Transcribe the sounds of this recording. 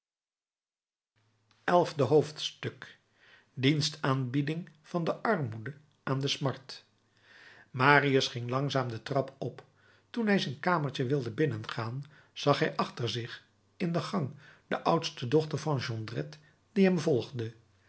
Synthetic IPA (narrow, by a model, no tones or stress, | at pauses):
ɛlˠvdəɦowftstɵk | dinstaːnbidɪŋv̥ɑndəʔɑɹmudə | ʔaːndəsmɑɹt | maːriəsχɪŋlɑŋzaːmdətrɑpɔp | tunɦɛjzɛjnkaːməɹt͡ʃəʋɪlˠdəbɪnənχaːn | z̥ɑχɦɛjʔɑχtəɹzɪχ | ɪndəχɑŋd̥əʔʌwtstədɔχtəɹvɑnʒɔndrɛt | d̥iɦɛmvɔlˠχdə